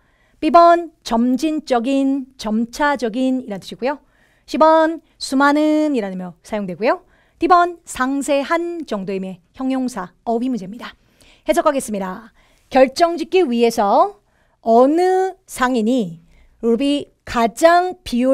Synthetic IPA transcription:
p͈ibʌnt͡ɕʌmd͡ʑint͡ɕ͈ʌɡint͡ɕʌmt͡ɕʰad͡ʑʌɡiniɾantʰɯɕʰiɡujo | ɕʰibʌn | sʰumanɯniɾanɯmjʌsʰajoŋdwe̞ɡujo | pibʌnsʰaŋsʰe̞ɦant͡ɕʌŋdoime̞çjʌŋjoŋsʰaʌbimund͡ʑemɲida | he̞sʰʌkʰaɡe̞s͈ɯmɲida | kjʌɭt͡ɕ͈ʌŋd͡ʑik̚k͈iɥie̞sʰʌ | ʌnɯsʰaŋiɲi | ubi | kad͡ʑaŋpiu

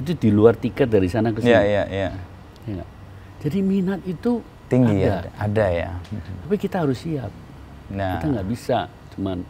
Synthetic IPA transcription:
it̪̬udiluart̪ikət̪̚daɾisanakəsjajaja | jaŋɡa̰ʔ | d͡ʒadiminat̪̚it̪u | t̪iŋɡaidaadaja̰t̪apikit̪aɦaɾʊsːiat̪̚ | nait̪aŋɡaʔbisa | t͡ʃuman

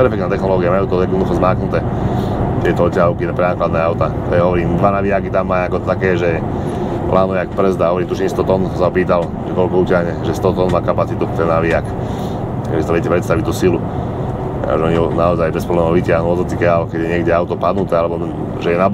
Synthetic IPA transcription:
pɛɾfɛkt̪nat̪ɛxnɔlɔːɡiamajuːt̪ɔjɛd̪nɔd̪uxɔzmaːknut̪ɛː | t̪ɪɛt̪ɔɔcːaɦɔʊkinpɾɛnaːklad̪nɛːawt̪at̪ɔjɛɦɔʋɔɾiːmd̪ʋanaʋiakit̪amːajakɔt̪akɛːʒɛ | plʔaːnɔʋjakprɾɛzd̪aɦɔʋɔɾiːmt̪uʃiɲst̪ɔt̪ɔnsaɔpiːt̪al | ʒɛkɔlkɔucɪaɦɲɛʒɛst̪ɔt̪ɔnmaːkapat͡sit̪ut̪ɛnːaʋiak | kɛbisaʋɛɛcɛpɾɛt̪st̪aʋict̪usilu | a̰ʒɛɔɲiɔnaɔzajbɛspɾɔblɛːmɔʊʋicɪaɦnuɔzɔt̪ikɛalkɛɟjɛɲɪɛɡɟɛawt̪ɔpad̪nut̪ɛːalɛbɔ | ʒɛjɛnab

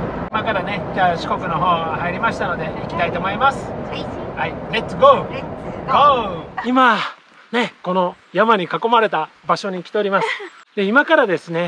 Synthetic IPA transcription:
imakaɾane̞d͡ʑaːɕi̥ko̞kɯ̟no̞ɦo̞ːhaiɾʲimaɕi̥t̪ano̞d̪e̞ikʲi̥t̪ait̪o̞ːmo̞imasɨ̥hailet̪sɡo | ɡoima | ne̞ko̞no̞ | jamaɲ̟ikako̞maɾe̞t̪abaɕo̞ɲ̟iːkʲi̥e̞o̞ɾʲimasɨ̥ | d̪̥e̞imakaɾad̪e̞sɨne̞

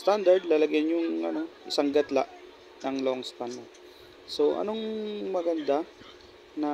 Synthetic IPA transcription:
st̪and̪ɐɹd̪̚lɐlɐɡjɲjʊŋʔɐ̰no̞ʔɪsaŋɡɐt̪la̰ʔ | nɐŋloŋst̪and̪ɐd̪̚ | so̞ʔɐ̰noŋmɐɡɐnd̪a | nɐ

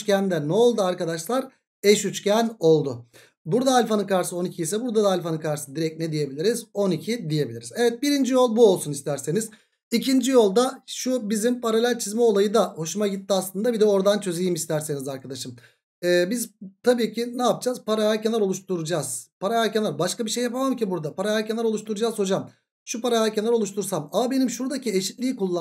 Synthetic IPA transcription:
t͡ʃcʲænd̪ɛnɛolˠd̪uaɾkad̪aʃlˠaɾ | ɛʃyt͡ʃcæno̞lˠd̪ʊ | buɾd̪aːlʲfanɯkaɾsɯo̞nicʰiisɛbuɾd̪ad̪aːlʲfanɯkʰaɾsɯd̪iɾɛc̚nɛd̪ije̞bilʲiɾizo̞nicʰid̪ije̞bilʲiɾizɛvɛt̪̚biɾind͡ʒijo̞lˠbuo̞lˠsunist̪ʰæɾse̞niz | icʰind͡ʒijo̞lˠd̪aʃubizimpaɾalʲælʲt͡ʃʰizmɛolˠajɯd̪aho̞ʃumaɟit̪ːiaslˠɯnd̪abid̪ɛo̞ɾd̪ant͡ʃʰø̞zejimist̪ʰæɾse̞nizaɾkʰad̪aʃɯm | ɛːbizt̪ʰabiːcʰinaːp̚d͡ʒazpaɾajæɾcʰenɛɾo̞lˠuʃt̪uɾud͡ʒaz̥pʰaɾajæɾcenaɾbaʃkabiʃe̞jːapʰamamcibuɾd̪apʰaɾajæɾcʰe̞næɾo̞lˠuʃt̪ʰuɾud͡ʒaːzho̞d͡ʒam | ʃupaɾajæɾcʰenæɾolˠuʃt̪ʰuɾsamamabe̞nimʃuɾd̪acʰieʃit̪lʲiːkulˠːa

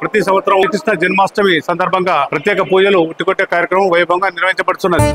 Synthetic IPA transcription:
pɾɐt̪is̬ɐmʋɐt̪sɐɾɐmkɾiʂnɐd͡ʒɐnmaːsʈɐmisɐnd̪ʱɐɾbʱɐŋɡaːpɾɐt̪jɛːkɐpuːd͡ʒɐluːʈːikoʈːeːkaːɾjɐkɾɐmɐ̃mʋɐjubʱɐŋɡaːniɾʋɐɦiɲt͡ʃɐpɐɽut̪unːɐd̪i

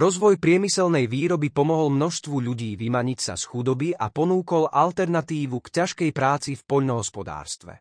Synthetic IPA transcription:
ɾɔzʋɔjpɾɪɛmisɛlnɛjʋiːɾɔbipɔmɔɦɔlmnɔʃst̪ʋuʎuɟiːʋimaɲicsa̰sxud̪ɔbiʔapɔnuːkɔlʔalt̪ɛɾnat̪iːʋukcaʃkɛjpɾaːt͡sifpɔʎnɔɦɔspɔd̪a̰ːɾst̪ʋɛ̰

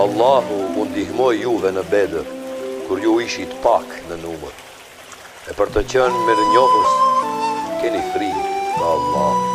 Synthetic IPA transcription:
alˠːaɦuund̪ihmɔjːuðɛnəbɛd̪əɾkuɾjuiʃit̪ə̥paknənuməɾ | ɛpəɾt̪ət͡ɕənmiɾəɲɔɦəs | kɛnifɾiɡaːlˠːɑh

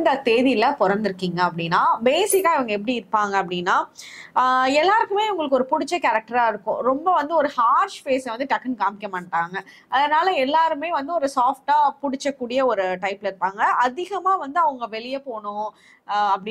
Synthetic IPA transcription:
nd̪ɐt̪eːðɪlɐpɔɾɐnd̪ɪɾɯkːiːŋɡɐɐpːɐɽɪnːaːbeːsɪkːaːɪʋɐŋɡɐɛp̬ːɐɽiɪɾɯpːaːŋɡɐɐpːɐɽɪnːaː | ɛlːaːɾkːɯmeːʋɐŋɡɐɭɯkːɯɔɾɯpʊɽɪt͡ʃːɐkɐɾɐk̚ʈɐɾaːɪɾɯkːʊ̰̃ɾɔmbɐʋɐnd̪ɯɔɾɯhaːɾʂfeːsʋɐnd̪ɯʈɐkːɐnkaːmɪkjɐmaɳʈːaːŋɡɐ | ɐðɐnaːlɐɛlːaːɾɯmeːʋɐnd̪ɯɔɾɯsaːfʈaːpʊɽɪt͡ʃːɐkːuːɽɪjɐɔɾɯʈɐɪplɪɾɯpːaːŋɡɐʔɐðɪɣɐmaːʋɐnd̪ɯɐʋɐŋɡɐʋɛɭɪjɐpoːɳʊ̃ | ɐpːɐɽɪ

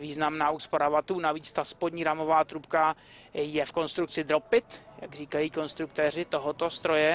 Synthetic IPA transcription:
viːznamnaːuspoɾavat̪uːnaviːt͡st̪aspodɲiːɾamo̞vaːt̪ɾupka | jɛfko̞nst̪ɾuk̚t͡sɪd̪ɾo̞pɪt̪ja̰ɡriːkajiːko̞nst̪ɾuk̚t̪ɛːr̝ɪt̪o̞ɦot̪o̞st̪ɾo̞jɛ

